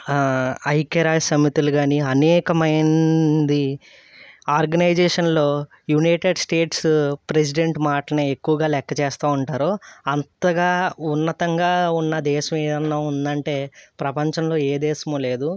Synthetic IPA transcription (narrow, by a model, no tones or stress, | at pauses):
ɐjkɐɾaːjsɐmit̪iluɡaːniɐnɛːkɐmɐjnd̪i | aːɾɡɐnɐjd͡ʒɛːʂɐnlo̞ː | junɐjʈeɖsʈeːʈspɾe̞s̬iɖeɳʈmaːʈɐneːekːuʋɐɡaːlɛkːɐt͡ʃɛːst̪aːuɳʈaːɾoɐnt̪ɐɡaːunːɐt̪ɐŋɡaːunːɐd̪ɛːʃɐmɛːɐnːɐund̪ɐɳʈe̞ːpɾɐpɐɲt͡ʃɐmlo̞ːeːd̪ɛːʃɐmoːleːd̪u